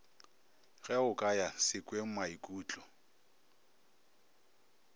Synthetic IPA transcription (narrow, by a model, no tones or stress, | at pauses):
ɣɛʊkʼajasɪkʼweŋ̩maikʼuːt͡ɬʼɔ